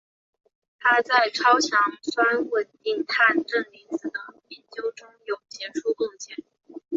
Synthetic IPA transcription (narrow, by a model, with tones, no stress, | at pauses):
t̪ʰa˥t͡sa˥˩ɪʈ͡ʂʰɑ˥ʊt͡ɕʰjɑ˧˥ŋswa˥nwə˨˩nt̪i˥˩ŋt̪ʰa˥˧nʈ͡ʂɤ˥˩ŋli˧˥nt͡sɹ̩˨˩d̪ə˦pɛ˥˩nt͡ɕjo˥ʊʈ͡ʂʊ˥ŋjo˨˩ʊt͡ɕjɛ˥ʈ͡ʂʰu˥˧kʊ˥˧ŋɕjɛ˥˩n